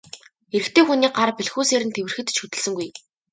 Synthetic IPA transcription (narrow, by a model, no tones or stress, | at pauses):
eɾɘ̆kt̪ʰeːxuniːɢarpiɮxuːseːɾɘ̆nt̪ʰewɘ̆rxɘ̆t̪t͡ɕʰɵt̪ɘ̆ɮsɘ̆ŋɡuj